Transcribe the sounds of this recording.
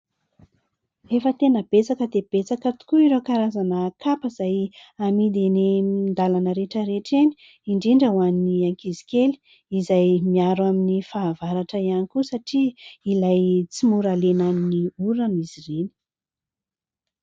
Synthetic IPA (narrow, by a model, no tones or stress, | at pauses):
efət̪enəb̥et͡sakəd̪eb̥et͡sakət̪u̥kuiɾokaɾazanəːkapəzajamid̪enend̪alanəɾeʈ͡ʂəɾeʈ͡ʂeni̥ | iɳɖ͡ʐiɳɖ͡ʐəwanːiaŋkizi̥keli̥ | izajmiaɾwaminifaːvaɾaʈ͡ʂəianikusaʈ͡ʂiilajt͡simuɾalenaniniuɾanizireni̥